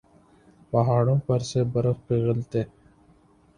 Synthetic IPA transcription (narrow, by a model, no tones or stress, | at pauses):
pɐɦaːɽõːpɐɾsebɐɾəxpiɣɪlt̪eː